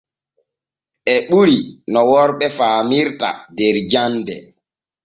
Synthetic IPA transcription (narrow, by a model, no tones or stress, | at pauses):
ʔɛɓuɾinɔwɔɾɓɛfaːmiɾta̰dɛɾd͡ʒandɛ̰